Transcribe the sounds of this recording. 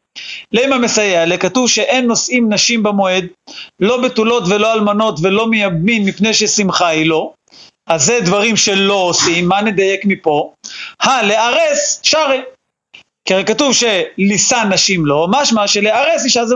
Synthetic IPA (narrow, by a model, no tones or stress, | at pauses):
lejmamesajealekatuvʃeʔe̞nːo̞sʔimnaʃimbamoe̞d̪lo̞betulo̞tvelo̞almano̞tve̞lo̞mejabminmipne̞jʃesimχailo̞ | azed̪vaʁimʃe̞lo̞osimːaned̪aje̞kmipo̞haleaʁesʃaʁe | keʁekatuvʃe̞lisanːaʃimlo̞maʃmaʃeleaʁe̞siʃaz